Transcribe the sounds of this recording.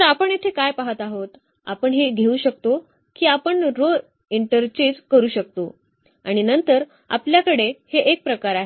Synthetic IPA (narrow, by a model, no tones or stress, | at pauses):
əapəɳjet̪ʰekajpaɦət̪aɦot̪ | a̰pəɳɦeɡʱeuːɕək̚t̪o | kiːapəɳɾo | iɳʈəɾt͡ɕed͡zkəɾuːɕək̚t̪o | a̰ɽ̃inənt̪əɾ | a̰pljakəɽeheʔek̚pɾəkaɾaɦe